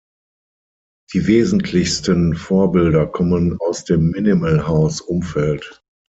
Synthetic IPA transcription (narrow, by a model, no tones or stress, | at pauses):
d̥iːveːzn̩tʰlɪçstənfoːɐbɪldɐkʰɔmənaʊsd̥eːmːɪnɪməlhaʊsʔʊmfɛlt